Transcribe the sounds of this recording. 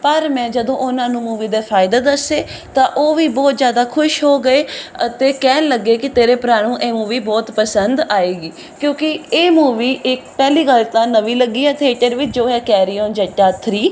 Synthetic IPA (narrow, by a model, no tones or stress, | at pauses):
pəɾmɛ̃ːd͡ʒəd̪õːʔʊnãːnũːmuːʋiːd̪eːpʰaːɪd̪eːd̪əseː | t̪ãːʔoːʋiːbɔːt̪zjaːd̪aːkʰʊʃɦoːɡəeːət̪eːkɛːnləɡeːkɪt̪eːɾeːpɾaːɽ̃ũːʔeːmuːʋiːbɔːt̪pəsənd̪aːeːɡiː | kjõːkɪeːmuːʋiːʔɪkpɛːliːɡəlt̪ãːnəʋiːləɡːiːɛːt̪ʰeːʈəɾʋɪt͡ʃd͡ʒoːɦɛːkɛːɾiːõːnd͡ʒəʈːaːt̪ʰɾiː